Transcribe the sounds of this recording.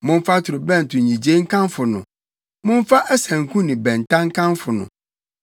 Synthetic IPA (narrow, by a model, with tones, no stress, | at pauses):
mʊ̃˦m˦fa˦tʰʊ˨ɾʊ˨bɛ̃˦˨n˨tʰʊ̃˨ɲĩ˨d͡ʑe˦ŋ̩˦kʰã˦mfʊ˨nʊ̃˨ | mʊ̃˦ɱ˦fa˦ʔæ˦sæ̃˨ŋ̩˨kʰũ˦nɪ̃˨bɛ̃˨n˨tʰã˦ŋ˦kʰã˦nfʊ˨nʊ̰̃˨